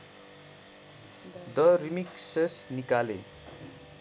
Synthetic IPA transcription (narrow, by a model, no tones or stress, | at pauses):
d̪ʌrimiksesnikalḛ